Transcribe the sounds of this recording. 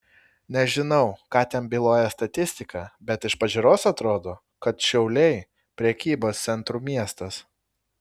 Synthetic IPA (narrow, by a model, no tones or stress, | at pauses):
nʲɛʒʲɪnɐʊkɑːt̪ʲɛnbʲilˠoːjɛst̪ɐt̪ʲɪsʲt̪ʲɪkɑːbʲɛt̪ɪʃpɐʒʲʊɾoːsɐt̪ɾoːd̪oː | kɐt̪ʃʲɛʊlʲɛɪ | pʲɾʲɛkʲiːboːst̪sʲɛnˑt̪ɾuːmʲiɛst̪ɐs